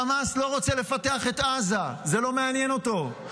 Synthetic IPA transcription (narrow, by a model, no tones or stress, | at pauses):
amaslo̞ʁo̞t͡sele̞fate̞aχe̞t̪azazelo̞meanjeno̞to̞